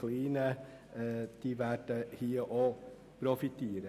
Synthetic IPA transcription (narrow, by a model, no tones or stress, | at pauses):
liːnə | d̪̥iʋæʈəhiːəʔo | pʰɾʊfɪt̪ʰeːɾə